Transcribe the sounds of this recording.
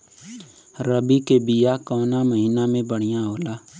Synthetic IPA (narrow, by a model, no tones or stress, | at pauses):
ɾəbikebɪjaːkɔːnaməɦiːnamẽbəɽ̤̃ɪjãɦoːlaː